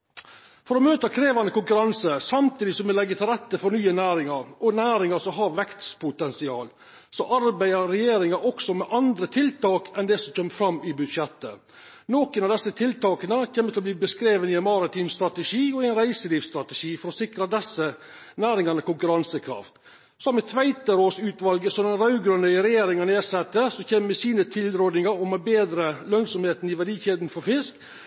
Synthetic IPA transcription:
fɔɾɔmøːt̪əkʰɾeːʋɑnəkʊŋkʉɾɑnsəsɑmt̪ʰiːd̪ɪsɔmʋɪlɛɡːət̪ʰɪlɾɛt̪ːəfɔɾnyːənæːɾɪŋɑɾɔnæːɾɪŋɑsɔɦɑɾʋɛkt̪spʊt̪ɛnsɪɑːl | sɔʔɑɾbæɪəːɛjeːɾɪŋɑʔɔksɔmɛʔɑnd̪ɾət̪ʰɪlt̪ɑːkɛnd̪ɛsɔmc͡çœmːfɾɑmːɪbʉd̪ʂjɛt̪ːə | noːkənɑʋd̪ɛsːət̪ʰɪlt̪ɑːkənəçeːmət̪ʰɪlɔb̪iːbəskɾeːʋənɪɛnmɑɾɪt̪ʰiːmst̪ɾɑt̪əʂiːɔɪæɪnɾæɪsəliːfst̪ɾɑt̪əʂiːfɔɾɔsɪkɾɑd̪ɛsːə | næːɾɪŋɑnəkʊŋkʉɾɑnsəkʰɾɑ̰ft̪ | sɔmːɛt̪ʰʋæɪt̪əɾoːsʉːt̪ʋɑlɡəsɔd̪ɛnɾɑʉɡɾœnœʏɾɛjeːɾɪŋɑneːsɛt̪ːəsɔçeːməɛsiːnət̪ʰɪlɾoːd̪nɪŋɑɾɔmɛbeːd̪ɾəlœnsɔmheːt̪nɪʋæɖiːçeːd̪n̩fɔɾfɪsk

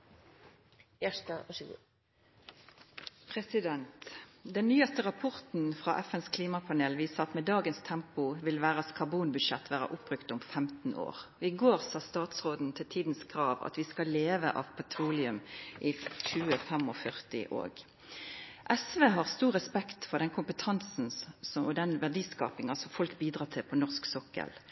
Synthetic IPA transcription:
jæʃtɑʋɑɡṵː | pʰʁɛsɪd̪ɛnt̪d̪ɛnːyːɑst̪əʁɑpʰɔʁt̪n̩fʁɑːʔɛfɛnskʰliːmɑpʰɑneːlʋiːsəʁɑt̪mɛd̪ɑːɡənst̪ʰɛmpʊʋɪlʋæːʁəskʰɑʁbuːnbʉd̪ʃɛt̪ːʰʋæːʁə̰ʔʊpːʁʉkt̪ʊmfɛmt̪n̩o̰ːʁɔɪɡoːʁsɑːst̪ɑːt̪sʁoːd̪n̩t̪ʰɪlt̪ʰiːd̪nskʰɾɑːʋɑ̰t̪ʋɪskɑleːʋə̰ʔɑ̰ʋpʰɛt̪ʰʁuːlɪʉmʔɪçʉːəfɛmɔfœʁt̪ɪ̰ʔo̰ːɡ | ʔɛsʋeːɦɑʁst̪uːʁɛspɛkt̪fɔd̪ɛnkʰʊmpət̪ʰɑnsn̩sɔɔd̪ɛnʋæʁɖiːskɑ̰ːpɪŋɑsɔmfɔlkbiːd̪ʁɑːt̪ʰɪlpʰɔnɔʁsksɔkːə̰l

